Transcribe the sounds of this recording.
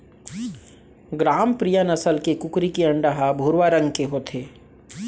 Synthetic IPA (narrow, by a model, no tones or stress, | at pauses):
ɡɾaːmpɾijənɐsəlkekʊkɾikiɐ̃ɳɖəɦabʱuːɾwaɾə̃ŋɡkeɦoːt̪ʰeː